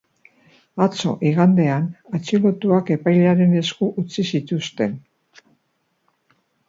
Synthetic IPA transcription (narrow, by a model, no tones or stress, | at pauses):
at͡so̞̰ʔiɣand̪e̞anat͡ʃilo̞t̪uake̞pajleaɾe̞ne̞skuʔut͡sisit̪ust̪e̞n